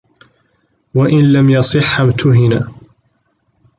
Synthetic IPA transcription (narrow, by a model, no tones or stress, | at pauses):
waʔɪnlamjɑsˤɨħːamt̪ʰʊɦɪna